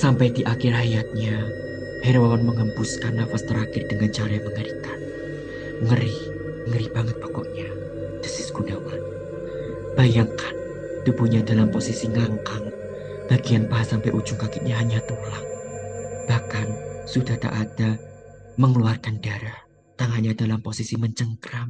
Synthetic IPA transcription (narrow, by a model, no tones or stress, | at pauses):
sampajdiʔakɪrhajat̪̚ɲa | hɛɾwawanməŋəmpʊskanːafast̪əɾakɪrdəŋant͡ʃaɾajaŋməŋəɾikan | ŋəɾi | əŋəɾib̥aŋət̪̚pakɔʔɲa | d̥əsɪsɡ̥unawal | b̥ajaŋkan | t̪ub̥uɲadalamposisiŋaŋkaŋ | b̥aɡianpaɦasampajʔu̥d͡ʒʊŋkakɪt̪̚ɲaɦaɲat̪ulaŋ̚ | b̥ahkansud̥aht̪a̰ʔad̥a | məŋəluarkandaɾah | t̪aŋanɲadalamposisiməɲt͡ʃəŋkɾam